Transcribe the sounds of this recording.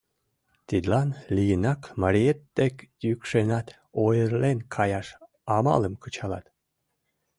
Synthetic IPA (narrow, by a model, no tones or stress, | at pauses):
t̪id̪lɑnlijənɑkmɑɾʲijet̪ːekjykʃenɑt̪ | ojəɾlenkʰɑjɑʃ | ɑmɑ̰lˠəmkət͡ɕɑlɑ̰t̪